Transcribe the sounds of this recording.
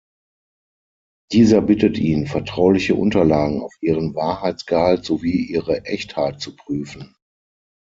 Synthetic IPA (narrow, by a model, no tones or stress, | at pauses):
d̥iːzɐbɪtətʰʔiːnfɛɐtʁ̥aʊlɪçəʔʊ̰ntɐlaːɡŋ̩a̰ʊfʔiːʁ̞ənvaːɐhaɪt͡sɡ̥əhaltz̥oviːʔiːʁəʔɛçthaɪt̚t͡supʁ̥yːfn̩